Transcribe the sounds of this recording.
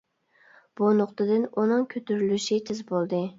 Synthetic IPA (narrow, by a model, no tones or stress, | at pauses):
b̥unoqt̪ʰɨd̪ɪnunɨŋkʲʰøt̪yɾylyʃit̪ʰɪzbolˠd̪ɨ